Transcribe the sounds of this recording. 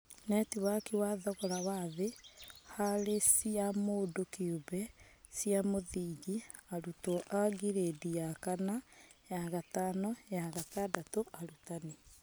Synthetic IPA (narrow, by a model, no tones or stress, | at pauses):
nɛtiwakiwaðɔɣɔɾawaðehaɾesiamodokiubɛsiamoðiːɡiaɾutɔʔaɣiɾedijakanajaɣatanɔjaɣatadatoʔaɾutane